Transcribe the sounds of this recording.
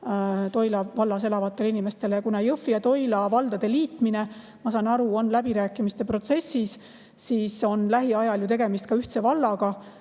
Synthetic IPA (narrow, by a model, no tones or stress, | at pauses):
t̪o̞jlɑvɑlːɑse̞lɑvɑt̪ːˑe̞linime̞st̪e̞lejɑkunɑjɤfːiɑt̪o̞jlɑvɑld̪̥ɑd̪̥e̞liːt̪mine̞ | mɑsɑːnɑɾuo̞nlæb̥iɾæːkːˑimist̪e̞pro̞t̪se̞sːis | siːso̞nlæɦiɑjɑljut̪e̞ɡ̥emist̪̚kɑyht̪se̞vɑlːɑɡ̥ɑ